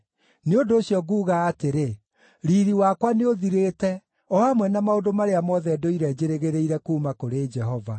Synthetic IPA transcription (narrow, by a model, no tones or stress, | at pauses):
neondoːɕjɔɣuːɣaːteɾe | ɾiːɾiwakwaneoðiɾeːtɛ | ɔamwɛnamaodomaɾeamɔðɛdoiɾɛd͡ʑeɾeɣeɾeiɾɛkuːmakoɾeːd͡ʒɛɦɔva